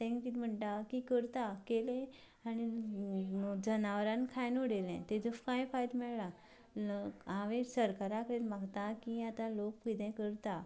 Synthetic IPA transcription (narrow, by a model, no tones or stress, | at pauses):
t̪ẽŋkit̪m̤əɳʈakikəɾt̪akelẽ | ani | d͡zənaʋɾãnkʰajnoɽelɛ̰̃t̪ed͡zəfkãjfajd̪mɛɭla | aʋesəɾkaɾakəɾet̪maɡt̪akiat̪ãlokkid̪ɛ̃kəɾt̪a